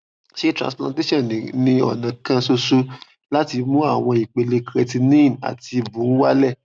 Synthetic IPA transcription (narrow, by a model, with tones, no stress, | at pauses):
ʃe˦tɾã̰˨splã˧te˦ʃɔ̃˦˨ñ˨nĩ˧ɔ̰˦˨nã˨kã˦so˧su˦ | la˦ti˧mũ˦a˦˨w̃ɔ̃˧i˨k͡pe˨le˨˧kɾe˧ti˧nĩ˦˨na̰˨ti˧bũ˨˦wa˦lɛ˦˨